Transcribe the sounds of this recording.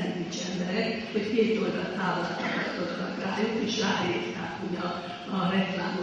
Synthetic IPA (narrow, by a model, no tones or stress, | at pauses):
ɛnt̪it͡ʃɛmbɛɾɛk | ho̞ckeːt̪o̞ld̪ɒlt̪aːvolɒt̪ːɒkɒst̪ot̪t̪ːɒkraːjukeːʃraːɦiːrt̪aːkhoɟɒ | ɒrɛkla̰ːmo